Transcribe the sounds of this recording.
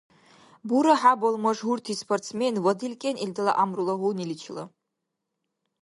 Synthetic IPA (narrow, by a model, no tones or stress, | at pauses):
buɾaħabolmɐʐɦurtʰispʰortsmenwɐdilkʲʼenildala̰ʔamrulɐwunilit͡ʃʰla̰